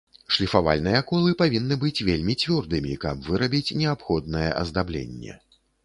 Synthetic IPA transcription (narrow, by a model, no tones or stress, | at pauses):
ʂlʲifava̰lʲnɨjɛkɔlˠɨpavʲinːɨbɨt͡sʲvʲelʲmʲit͡sʲvʲɔrd̪ɨmʲikɐbvɨɾɐbʲit͡sʲnʲɛapxɔd̪̚nɐjɛ̰ʔɐ̰zd̪ablʲḛnʲːɛ̰